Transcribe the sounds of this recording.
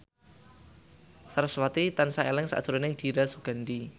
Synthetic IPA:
saɾaswat̪it̪ansaelɪŋsa̰d̥ʒ̥uɾanɪŋd̪̥iɾasuɡ̥a̤ndi

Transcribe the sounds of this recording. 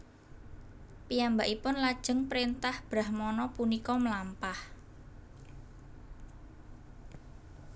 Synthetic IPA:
pijambaʔipʊnlad̥ʒ̥ə̤ŋpɾint̪ahb̥ɾahmɔnɔpunikɔmlampah

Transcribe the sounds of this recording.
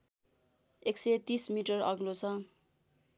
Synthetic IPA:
ekset̪ismiʈʌrʌɡlot͡sʰʌ

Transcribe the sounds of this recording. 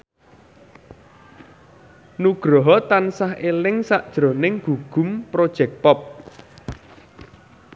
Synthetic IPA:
nuɡ̥ɾɔɦɔt̪ansahʔelɪŋsaʔd̥ʒ̥ɾo̤nɪŋɡ̥uɡ̥ṳmpɾod̥ʒ̥ɛk̚pɔp̚

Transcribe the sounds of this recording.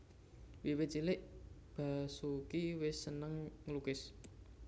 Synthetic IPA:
wiwɪt͡ʃilɪʔ | b̥a̤sukiwɪsːənəŋŋəlukɪs

